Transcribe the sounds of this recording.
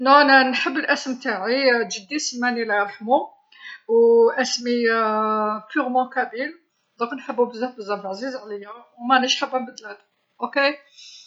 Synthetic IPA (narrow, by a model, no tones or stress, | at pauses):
nænænħəbːəlʔæsəmt̪aʕiʒəd̪ːisəmːænilæɾħmu | wʔæsmi | pyɾmɑ̃kæbil | d̪ˤɑknħəbːubəzːæfbəzːæflʕzizʕləjːæwmænəʃħəbːænbəd̪ːəlæd̪ | ʔoke